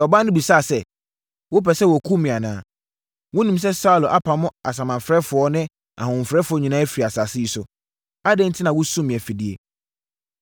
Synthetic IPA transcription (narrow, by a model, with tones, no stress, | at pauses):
ɔ˨bã˦nʊ̃˦bi˨saː˦˨sɛ˦ | wʊ˦pɛ˨sɛ˦wɔ˨kʰu˦mĩ˨a˨nã̰ː˨˦ | wʊ̃˦nĩ˨ms̬ɛ˦sa˦u˨lʊ˨ʔa˦pʰã˨mʊ̃˦a˨s̬ã˨mã˨mfɾɛ˦fʊ˨ɔ˦nɪ̃˦ | ã̰˨hʊ̃˨m̩˨fɾɛ˦fʊ˨˦ɔ˦ɲĩ˨nãː˦æ˦fi˨ɾi˨a˨sa˨sɪ˦i˨sʊ˨ | a˦dɛ̃˦ntʰɪ˦nã˨wʊ˦sũ˦mːĩ˨ɛ˨fi˨di˨ḛ˨